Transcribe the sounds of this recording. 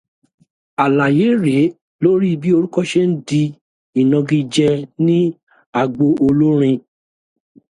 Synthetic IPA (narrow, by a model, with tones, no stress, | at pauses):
a˨la˨je˨˦ɾe˨˦ | lo˦ɾi˦˧bi˦o˧ɾu˦kɔ˦ʃe˦n̩˦di˧ | i˨nɔ̃˧ɡĩ˧d͡ʒɛ˧nĩ˦ | a˨ɡ͡bo˧ʔo˧lu˦ɾ̃ĩ˧